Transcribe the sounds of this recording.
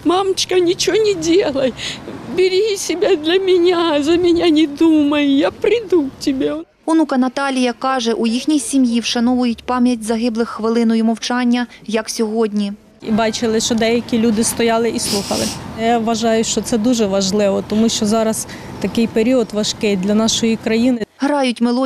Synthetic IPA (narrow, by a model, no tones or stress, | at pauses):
mɑmt͡ʃkɐnʲɪt͡ʃɔnʲɪdʲelˠɐjbʲɪɾʲisʲɪbʲad̪lʲɐmʲɪnʲazɐmʲɪnʲanʲɪd̪umɐjʊjapɾʲɪd̪utʲɪbʲe | ʊnukɐnɐt̪ɑlʲijɐkɑʒɛʔujixnʲijsʲimjiwʃɐnɔʋʊjʊtʲpɑmʲjɐt̚ʲzɐɦɪblˠɪxːʋɪlˠɪnɔjimɔwt͡ʃɑnʲːɐjɐksʲɔɦɔdʲnʲi | ibɑt͡ʃɪlˠɪʃt͡ʃɔd̪ɛjɐkʲilʲud̪ɪst̪ɔjɑlˠɪʔislˠuxɐ̰lˠɪjaʋːɐʒɑjʊʃt͡ʃɔt̪sɛd̪uʒɛʋɐʒlˠɪʋɔt̪ɔmuʃt͡ʃɔzɑɾɐs | t̪ɐkɪjpeɾʲiɔt̪ʋɐʃkɪjd̪lʲɐnɑʃɔjikɾɐjinɪɦɾɑjʊtʲmelˠɔ